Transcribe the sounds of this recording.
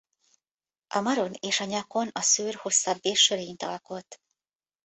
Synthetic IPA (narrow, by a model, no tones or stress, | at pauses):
ʔɒmɒɾo̞neːʃɒɲɒko̞nɒsøːrho̞sːɒbːeːrʃøɾejnt̪ɒlko̞t̪ː